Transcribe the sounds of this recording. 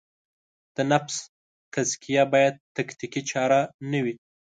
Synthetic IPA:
d̪̥ənafs | t̪azkijabɑjad̪̚t̪akt̪ikit͡ʃɑɾanawi

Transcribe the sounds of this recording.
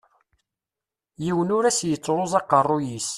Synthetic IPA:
jiwənʊɾæsjət͡sːʁozˤɑqərˤːʊjis

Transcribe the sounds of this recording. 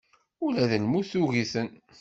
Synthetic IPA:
ʊlæðəlmuθuɣiθən

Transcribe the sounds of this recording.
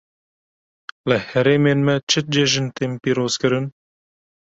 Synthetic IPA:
lɨhɛɾeːmeːnmɛt͡ʃʰɨt̪̚d͡ʒeʒɨnt̪eːmpiːɾoːzkɨɾɨn

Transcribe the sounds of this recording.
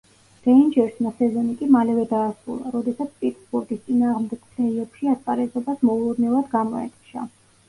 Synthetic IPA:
ɾɛind͡ʒɛɾsmasɛzɔnikʼimalɛvɛd̪aːsɾṵlˠa̰ɾɔd̪ɛsat̪sʰpʼit̪ʼsbuɾɡist̪sʼinaːʁmd̪ɛɡ̥mnɛiɛpʃiaspʼaɾɛzɔbasmɔulˠɔɾnɛvad̪ɡamɔɛ̰t̪ʼʃa̰

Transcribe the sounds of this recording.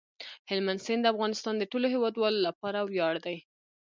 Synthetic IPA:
hɪlmansend̪əafɣɑnɪst̪ɑnd̪əʈoloɦewɑd̪wɑlolapɑɾawjɑɽd̪aj

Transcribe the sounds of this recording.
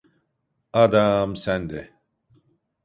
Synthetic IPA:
ad̪amsænd̪ɛ

